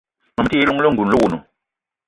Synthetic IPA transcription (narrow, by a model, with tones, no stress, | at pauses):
ma˨m˦ti˦lu˦ŋ˦lo˦ŋ˨ɡu˨nlo˦wu˨nṵ˨